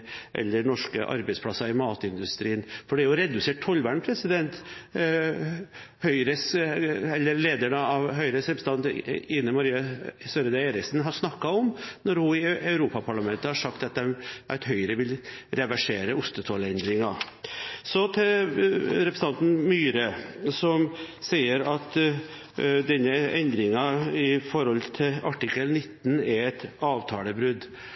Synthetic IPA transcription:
ʔɛ̰lːəɳɔʂkə̰ʔɑ̰ɾbɛɪspʰlɑsːɑɪmɑːt̪ɪnd̪ʉst̪ɾiːənfɔɖɛɾjʊɔɾɛd̪ʉseːʈ̚t̪ʰːɔlʋæːɳpʰɾɛsɪd̪ɛnt̪ | hœʏɾəsɛlːəɾleːd̪æɳəɑʋɦœʏɾəsɾɛpɾəsəɑnt̪ɪnːənmɑɾiːɑsøɾəd̪ɛeːɾɪksn̩ɦɑɾʂnɑkːɑɔmnɔɾhʊɪɑʉɾuːpɑpʰɑɭɑmɛnt̪əhɑʂɑkt̪ɑt̪̚d̪ɛmʔæt̪hœʏɾəʋɪlɾɛʋæʂeːɾəʊst̪ət̪ʰoːləɛnd̪ɾɪŋɑ | sɔt̪ʰɪ | ɾɛpɾsɑnt̪n̩myːɾəsɔm | siːəɾɑt̪ | d̪ɛnːəɛnd̪ɾɪŋɑɪfɔɾɔlt̪ʰɪlɑʈɪkːəlnɪt̪ːnɛɾɛt̪ɑːʋt̪ʰɑːləbɾʉd̪

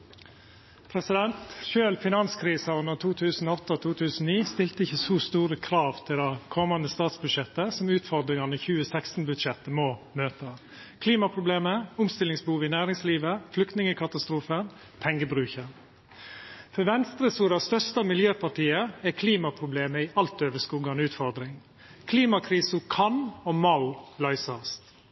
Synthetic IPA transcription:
pʰɾɛsɪd̪ɛnt̪ʃøːlfɪnɑnskʰɾiːsɑʉnət̪ʰuːt̪ʰʉːsn̩ɔɔt̪ːɔt̪ʰuːt̪ʰʉːsn̩niːst̪ɪlt̪əɪçːəsɔst̪uːɾəkʰɾɑːʋt̪ʰɪld̪ɛkʰɔmːɑnd̪əst̪ɑːt̪sbʉd̪ʂɛt̪ːəsɔmʉːt̪fɔɾd̪ɾɪŋɑnəçʉːəsækst̪n̩bʉd̪ʂɛt̪ːəmɔmøːt̪ə | kʰliːmɑpʰɾʊbleːməʊmst̪ɪlɪŋsbəhuːʋɪnæːɾɪŋsliːʋəflʏkt̪nɪŋəkʰɑt̪ɑst̪ɾuːfən | pʰɛŋɡəbɾʉːçəɾ | fɔʋɛnst̪ɾəsuːɾɑst̪œst̪ɑmɪljøːpʰɑʈiːəɛkʰliːmɑpʰɾʊbleːməɪʔɑlt̪øːʋəskuːɡɑnʉːt̪fɔɾd̪ɾɪŋ | kʰliːmɑkʰɾiːsəkʰɑnɔmɑʊlœʏsɑst̪

